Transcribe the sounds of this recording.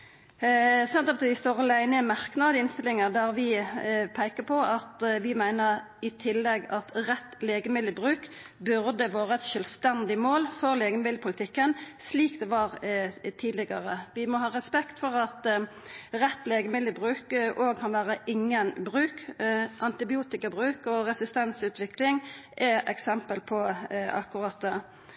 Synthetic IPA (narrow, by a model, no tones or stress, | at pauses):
sɛnt̪ɔpt̪ʋɪst̪oːʁəlæɪnəmæʁknɑːd̪əɪnst̪ɪlɪŋəd̪æʁʋɪpʰæɪkəpʰɔʔɑt̪ʋɪmæɪnəʁ | ɪt̪ʰɪlːɛɡɑt̪ʁɛt̪ːleːɡəmɪlːəɪbʁʉːk | bʉʁd̪əʋoːʁəɛt̪ʃœlst̪ɛnd̪ɪmoːlfɔʁleːɡəmɪlːəpʰʊlɪt̪ʰɪkːənsliːkd̪ɛʋɑʁt̪ʰiːd̪lɪɡɑʁəʋɪmɔhɑːʁɛspɛkt̪fɔʁɑt̪ | ʁɛt̪ːleːɡəmɪlːəbʁʉːkʔoːɡ̚kʰɑnʋæːʁəʔɪŋːənbʁʉːkʔɑnt̪ɪbɪuːt̪ɪkɑbʁʉːkɔʁɛsɪst̪ɛnsʉːt̪ʰʋɪklɪŋʔɛʔɛksɛmpəlpʰɔɑ̰kːʊʁɑt̪̚d̪ɛ